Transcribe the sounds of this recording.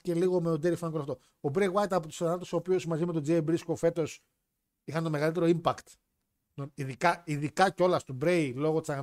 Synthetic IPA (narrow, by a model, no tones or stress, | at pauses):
ce̞liɣo̞meod̪eɾifɐnɡkolɐft̪o̞ | obɾejwɐjt̪ɐpot̪usnɐt̪eso̞ːpiozmɐzimet̪o̞d͡ziebɾisko̞fe̞t̪o̞s | ixɐnt̪o̞me̞ɣɐlit̪e̞ɾo̞impɐkt̪ | noiðikɐiðikɐceo̞lɐst̪obɾe̞jlo̞ɣot̪isɐ